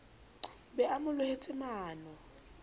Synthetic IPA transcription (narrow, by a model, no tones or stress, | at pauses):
bɛʔamʊlʊhet͡sʼɪmaːnɔ